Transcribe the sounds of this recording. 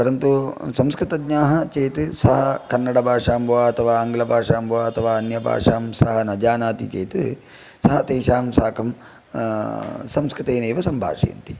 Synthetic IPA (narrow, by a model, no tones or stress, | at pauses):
pɐɾɐnt̪usɐmskɾɨt̪ɐɡɲaːɦɐt͡ʃeːt̪ɨsɐɦɐkɐnːɐɽɐbʱaːʂaːmbʱɐʋaːɐt̪ʰɐʋaːɐŋɡɐlɐbʱaːʂaːmbʱɐʋaːɐt̪ʰɐʋaːɐnjɐbʱa̰ːʂaːmsɐɦɐnɐd͡ʒaːnaːt̪ḭt͡ʃeːt̪ɨ | sɐɦɐt̪eːʃaːmsaːkɐm | sɐmskɾɨt̪eːneːʋɐsɐmbʱa̰ːʂɐ̰jɐ̰nt̪i̥